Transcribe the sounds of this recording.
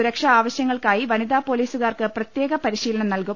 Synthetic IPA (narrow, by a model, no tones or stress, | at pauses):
uɾɐkʂɐaːʋɐɕjɐŋːɐɭkaːjiʋɐnid̪aːpo̞ːliːsuɣaːrkɨprɐt̪je̞ːɣɐpɐɾiɕiːlɐɳɐmnɐlku